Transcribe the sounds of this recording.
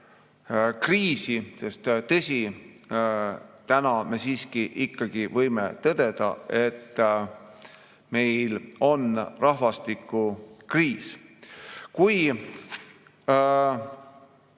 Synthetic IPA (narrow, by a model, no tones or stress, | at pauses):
kriːsise̞st̪t̪ɤsʲi | t̪ænɑme̞siːskiʔikːɑɡ̥ivɤjme̞̰t̪ɤd̪e̞d̪̥ɑ̰e̞t̪ː | me̞jlo̞nrɑhvɑst̪ikːˑukriːs | kuj